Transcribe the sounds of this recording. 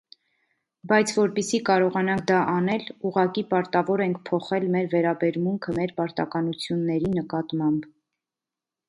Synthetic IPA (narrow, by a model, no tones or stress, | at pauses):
bɑjt͡sʰvɔɾpisikɑɾɔʁɑnɑŋkʰd̪ɑʔɑnɛluʁɑkipɑɾt̪ɑvɔɾɛŋkʰpʰɔχɛlmɛɾvɛɾɑbɛɾmuŋkʰəmɛɾpɑɾt̪ɑkɑnut͡sʰjunːɛɾinəkɑt̪mɑmb